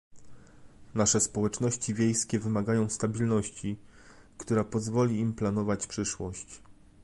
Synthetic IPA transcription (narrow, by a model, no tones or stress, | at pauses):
naʂɛspɔwɛt͡ʂnɔɕt͡ɕivʲjejskʲɛvɘmaɡajɔ̃w̃st̪abʲilnɔɕt͡ɕi | kt̪uɾapɔzvɔlʲiːmplanɔvat͡ɕpʂɘʂwɔɕt͡ɕ